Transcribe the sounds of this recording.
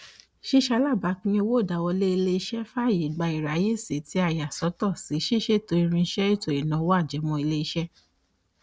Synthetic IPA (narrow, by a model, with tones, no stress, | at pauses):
ʃi˦˨ʃa˧˦la˦˨ba˨˦kĩ˦o˧wo˦˨da˨˦wɔ˧le˦i˧le˧i˧˦ʃɛ˦fa˦˨je˨ɡ͡ba˧i˨ɾa˨˦je˦˨se˨ti˨˦a˦˨ja˨sɔ˨˦tɔ˦˨si˨˦ʃi˦˨ʃe˦˨to˧˦i˧ɾ̃ĩ˧˦ʃɛ˦i˦˨to˨e˨nã˨˦wo˦a˦˨d͡ʒɛ˨˦mɔ̃˧i˧le˧i˧ʃɛ˦